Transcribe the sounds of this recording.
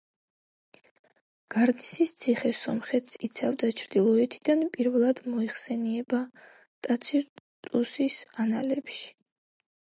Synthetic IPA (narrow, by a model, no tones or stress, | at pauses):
ɡ̥aɾnisist̪sʰiχɛsɔmχɛt̪sit̪sʰavd̪at͡ʃʰɾd̪̥ilˠɔɛt̪ʰid̪anpʼiɾvɛlˠad̪̥mɔiχsɛniɛba | t̪ʼat̪sʰit̪ʼusisanalɛpʃi̥